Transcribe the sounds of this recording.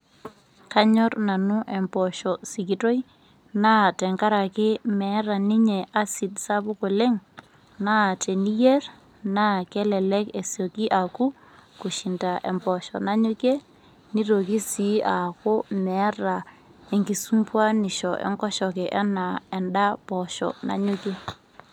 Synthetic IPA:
ka˦ɲɔ˦rna˨nʊ˦ʔɛ˨mbɔ˨ʃɔ˨si˨ki˨tɔ˦i | na˦tɛ˨ŋka˦ɾa˨kɪ˦mɛ˨˦ɾa˨ni˦ɲɛ˨ʔa˦si˨dsa˦bʊ˦ko˨lɛ˦ŋ | na˦˨tʰe˨ni˦jɛ˦r | na˦kɛ˦lɛ˨lɛ˦ke˨so˨ki˦ʔa˨ku˦ | ku˨ʃi˨nta˨ʔɛ̰˨mpɔ˨ʃɔ̰˨na˦ɲu˦kɛ˦ | ni˦ɾo˨ki˦si˦ʔa˨ko˦mɛ˨˦ra˨ | e˨ŋɡi˨su˦mpwa˦nɪ˨ʃɔ˨ʔɛ̰˨ŋkɔ˦ʃɔ˨kɛ˨ʔɛ˦na˨ɛ˨nda˦pɔ˨ʃɔ̰˨na̰˦ɲu˦ke˦

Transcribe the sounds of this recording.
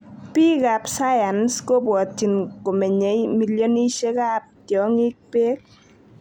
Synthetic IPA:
pi˦ka˨psa˦ja˨nsko˦bwɔ˨t͡ʃi˨nko˨me˨ɲe˨˦jmi˦ljo˦ni˦ʃe˦ka˦p̚tjɔ˨˦ŋi˦k̚pe˦k̚

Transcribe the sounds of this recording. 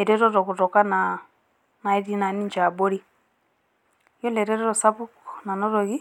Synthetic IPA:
ɛ˨ɾɛ˦ɾɔ˦ɾɔ˨ku˨ɾɔ˨ka˦na˨ | na˨i˦ɾi˦na˨ni˦nd͡ʒa˨bɔ˦ɾi˦ | jɔ˦lɛ˨ɾɛ˦ɾɔ˦ɾɔ˨sa˦βu˦kɔna˨nɔ˦ɾɔ˨ɣi˦

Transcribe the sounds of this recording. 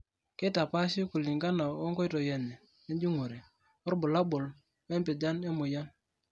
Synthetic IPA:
ke˦ta˨pa˦ʃi˦ku˨li˨ŋɡa˦na˨ɔ˦ŋkɔ˦i˦tɔ˨jɛ˨nɛ˨ | nɛ˦d͡ʒi˦ŋu˨ɾe˨ | ɔ˦ɾbʊ˨la˦bʊ˨l | wɛ˦mpɪ˨d͡ʒa˦ne˦mʊ˨ja˦n

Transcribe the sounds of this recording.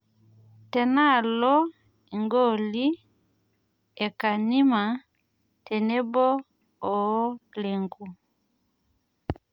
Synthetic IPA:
tɛ˨na˦˨lɔ˦ | i˨ŋɡɔ˦˨li˦ | ɛ˨ka˨ni˦ma˨ | tɛ˨nɛ˦bɔ˦ | ɔ˨˦le˨ŋɡu˨

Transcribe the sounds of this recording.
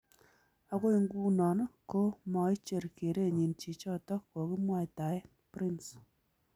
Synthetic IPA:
a˧ko˦i˦ŋɡu˦nɔ˨n˦ko˦mɔ˨ɪ˦t͡ʃe˨ɾke˨ɾe˦˨ɲi˨nt͡ʃi˨t͡ʃɔ˦tɔ˦kkɔ˨kɪ˦mwa˦jta˨ɪ˦ | pɾi˦ns

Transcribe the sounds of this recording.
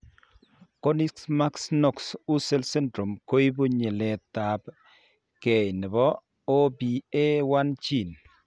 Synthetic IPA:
ko˦ni˦ksma˦ksnɔ˨ksu˦se˦lsɛ˦ndɾo˨mko˦i˦bu˦ɲɪ˨lɛ˨t̪a˨b | kɛ˨jnɪ˨bɔ˦ | o˦bi˨e˦wa˦nt͡ʃi˦˨n

